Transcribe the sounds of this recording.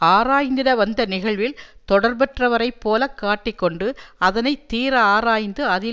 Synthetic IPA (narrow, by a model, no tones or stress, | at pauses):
aːɾaːjnd̪ɪɽɐʋɐnd̪ɐnɪɣɐɭʋɪlt̪ɔɽɐɾbɛʈrɐʋɐɾɐɪpːoːlɐkːaːʈːɪkːɔɳɖɯɐðɐnɐɪt̪ːiːɾɐaːɾaːjnd̪ɯɐðɪ